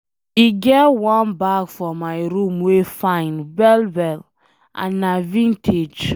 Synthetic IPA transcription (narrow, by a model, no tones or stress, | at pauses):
iɡɛtwɔ̃nbakfɹɔmaɪɹũmwefãɪ̃nbɛlbɛl | ʔã̰nːavĩntʰed͡ʒ